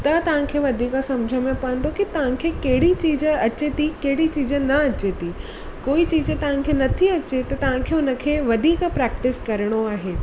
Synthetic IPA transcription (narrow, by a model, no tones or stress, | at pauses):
t̪ɐt̪ɐʋ̤ãkʰeːʋɐd̪ʱiːkəsɐ̃md͡ʑʱəmẽpɐə̃nd̪okit̪ɐʋ̤ãkʰekɐɦɪɽit͡ɕiːd͡ʑ̆ɐt͡ɕet̪ikɐɦɪɽit͡ɕiːd͡ʑənɐɐt͡ɕet̪i | koːit͡ɕiːd͡ʑt̪ɐʋ̤ãkʰenɐt̪ʰiɐt͡ɕet̪ɐt̪ɐʋ̤ãkʰeːʊnə̆kʰeːʋɐd̪ʱiːkpɾɛːk̚ʈɪskɐɾəɽ̃oaːɦeː